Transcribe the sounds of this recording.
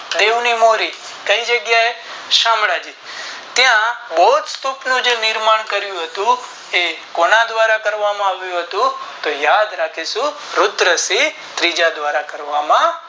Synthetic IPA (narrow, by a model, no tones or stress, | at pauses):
d̪eʋnimoɾi | kəid͡ʒəɡjae | ʃamɭad͡ʒi | t̪jãboɦut̪st̪upnũd͡ʒenɪɾmaɳkəɾjũɦət̪ũ | ekonad̪ʋaɾakəɾʋamãaʋjũɦət̪ũt̪ojad̪ɾakʰiʃũ | ɾʊt̪ɾəsi | t̪ɾid͡ʒad̪ʋaɾakəɾʋamã